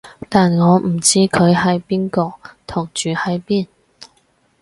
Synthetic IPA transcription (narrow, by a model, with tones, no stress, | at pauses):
t̪aː˨nŋɔː˨˧m̩˨˩t͡siː˥kʰɵ˨˧ɥɦɐ˨˥jpiː˥nkɔː˧t̪ʰʊ˨˩ŋt͡ʃyː˨hɐ˨˥jpiː˥n